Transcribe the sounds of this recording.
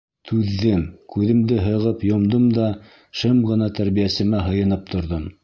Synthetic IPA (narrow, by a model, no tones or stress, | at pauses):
t̪ʰʉðːɘmkʉðɘ̆md̪ɘɦɤ̆ʁɤpjŏmd̪ɤmd̪ɑ | ʃɤmɢɤ̆nɑt̪æɾβijæsɘ̆mæɦɤ̆jɤ̆nɤp̚t̪ŏɾðom